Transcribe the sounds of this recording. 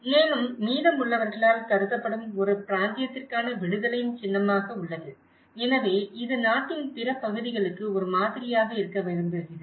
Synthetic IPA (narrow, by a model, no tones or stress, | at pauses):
neːnɯmːiːðɐmʊɭːɐʋɐɾɣɐɭaːlt̪ɐɾɯt̪ːɐpːɐɽɯmɔɾɯpɪɾaːnd̪ɪjɐt̪ːɪrkaːnɐʋɪɽɯðɐlɐjɯmt͡ʃɪnːɐmaːɣɐʊɭːɐðɯ | ɛnɐʋeːɪðɯnaːʈːɪnpɪɾɐpɐɣɯðɪɣɐɭɯkːɯɔɾɯmaːðɪɾɪjaːɣɐɪɾɯkːɐʋɐɾɯnd̪ɯɪðɯ